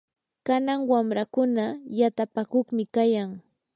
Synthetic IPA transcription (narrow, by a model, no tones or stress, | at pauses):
kanaŋwamɾakʊnajat̪apakʊχmɪkajaŋ